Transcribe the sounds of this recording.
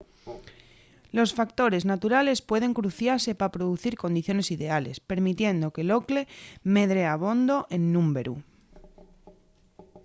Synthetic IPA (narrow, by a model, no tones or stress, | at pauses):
lo̞sfakt̪o̞ɾe̞znat̪uɾale̞spwe̞ð̞e̞ŋkɾuθjaɾse̞paapɾoð̞uθiɾko̞nd̪iθjo̞ne̞siðe̞ale̞spe̞ɾmit̪je̞nd̪o̞kelo̞kle̞me̞ðɾeaβ̞o̞nd̪o̞ʔe̞nːũmbe̞ɾu